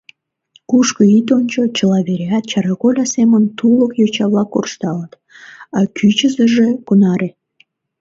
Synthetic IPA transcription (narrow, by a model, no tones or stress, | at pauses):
kuʃkəit̪onʲt͡ɕot͡ɕəlɑβeɾʲeɑt̪̚t͡ɕɑɾɑɣolʲɑsemənt̪uləkjot͡ɕɑβlɑkːo̰rʃt̪ɑlət̪ | ɑkʰyt͡ɕəzəʒekunɑɾʔe